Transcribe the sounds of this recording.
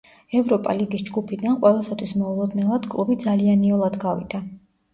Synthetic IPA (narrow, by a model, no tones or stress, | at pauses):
ɛvɾɔpʼa̰liɡisd͡ʒɡupʰid̪anqʼwɛlˠasat̪ʰwismɔulˠɔd̪nɛlˠad̪̥kʼlˠubid̪zalianiɔlˠad̪ɡavḭd̪̥a